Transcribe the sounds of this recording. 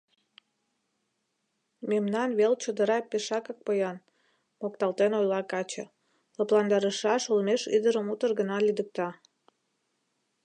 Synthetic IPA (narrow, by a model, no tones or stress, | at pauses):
memnɑnβelt͡ɕod̪əɾɑpeʃɑkək̚pəjɑn | mokt̪ɑlt̪enojlɑkɑt͡ɕĕ | ləplɑnd̪ɑɾəʃɑʃulmeʃid̪əɾəmut̪ərɣənɑlid̪ək̚t̪ɑ